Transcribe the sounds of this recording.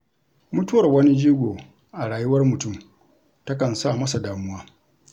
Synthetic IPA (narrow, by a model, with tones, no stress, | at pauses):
mʊ˦tʊ˦wɐ˨rwɐ˦ni˦d͡ʒiː˦ɡʷoː˨ | ʔa˨ɽaː˨jʊ˦wɐ˦rmʊ˨tʊ˦m | tɐ˦kɐ˨nsa˦˨mɐ˦sa˨daː˨mʊ˦waː˦